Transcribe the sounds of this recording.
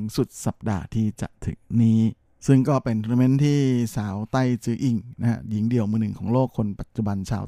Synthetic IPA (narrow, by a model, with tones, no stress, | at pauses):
ŋsu˨˩t̪̚sa˨˩p̚da̰ː˧t̪ʰiː˥˩t͡ɕa̰˨˩ʔt̪ʰɯ̰˩˦ŋniː˦˥ | sɯ˥˩ŋkɔː˥˩pe˧nt̪ʰːme˦˥nt̪ʰiː˥˩saː˩˦wt̪a˥˩jt͡ɕɯː˧ʔi˨˩ŋna˦˥a̰˦˥ji˩˦ŋdi˧əwmɯː˧nɯ˨˩ŋkʰɔː˩˦ŋloː˥˩kʰːo˧npa˨˩t̪̚t͡ɕu˨˩ba˧nt͡ɕʰa̰ː˧